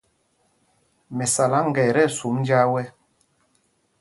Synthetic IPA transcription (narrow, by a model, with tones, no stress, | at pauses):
mɛ˨sa˨la˨˦ŋ̩˦˨ɡɛ˨ɾɛ˦˨su˨˦mn˦d͡ʒa˦wɛ˦